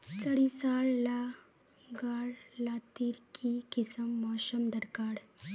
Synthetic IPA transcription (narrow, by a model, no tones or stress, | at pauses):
t͡səɽisaɭla | ɡaɽlat̪iɾkʰikisəmːaɕəmd̪əɾkaːɽ